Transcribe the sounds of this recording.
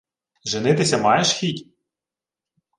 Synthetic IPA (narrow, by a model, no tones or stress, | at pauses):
ʒɪnɪt̪ɪsʲɐmɑjeʃxʲitʲ